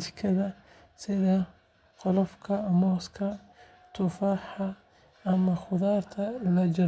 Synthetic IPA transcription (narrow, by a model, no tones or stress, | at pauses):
t̪ɪkʰɐðɐ | sɪðɐ | qɔlɔfkʰɐmɔːskʰɐ | t̪ʰʊfaːħɐ | ɐmɐχʊðaːrt̪ʰɐlɐd͡ʒɐ